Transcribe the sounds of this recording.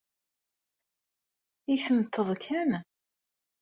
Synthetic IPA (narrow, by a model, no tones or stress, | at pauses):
iθəmət̪ʰːəðˤkʰæn